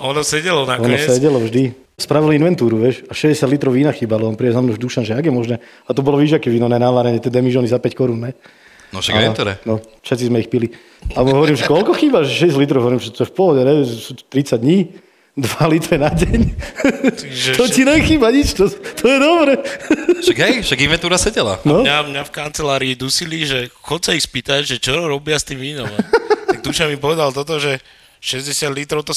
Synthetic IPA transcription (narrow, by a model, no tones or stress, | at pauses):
ɔnɔsɛɟɛlɔnakɔnɔsɛɟɛlɔvʒd̪i | spɾaʋilinʋɛnt̪uːɾuʋɪɛʃaʃɛzɟɛsjad̪lit̪ɾɔʊinaxiːbalɔɔnpɾidɛzamnɔʒd̪uʃanʒɛaɡjɛmɔʒnɛː | at̪ɔbɔlɔʋiʒakiʋiːnɔnɛnaʋaɾɛɲɛt̪ɛd̪ɛmiʒɔnizapɛckɔɾunːɛ | ɔʃat̪uɾɛ̰nɔfʃɛt̪t͡sizmɛixpili | aɔɦɔʋɔɾimʒɛkɔlkɔxiːbaʒɛʃɛɛs̬alit̪ɾɔʊɦɔʋɔɾiːmʒɛt̪ɔɛfpɔɦɔɟɛɾɛɛsu̥t̪ɾit͡saɟd̪ɲiː | d̪ʋalit̪ɾɛnaɟɛɲ | t̪iʒɛt̪ɔt͡ɕinɛxiːbaɲit͡ʃt̪ɔt̪ʰɔjɛd̪ɔbɾɛʃakɦɛjʃaɡimɛnt̪uːɾasɛɟɛla̰nɔɲamɲafkant͡sɛlaːɾiːd̪usiliʒɛxɔt͡sɛixspiːt̪aɟʒɛt͡ʃɔɔɾɔbɪast̪iːmʋiːnɔmt̪aɡ̚d̪uʃamipɔʋɛd̪alt̪ɔt̪ɔʒɛ | ʃɛzɟɛsɪad̪lit̪ɾɔʊt̪ɔ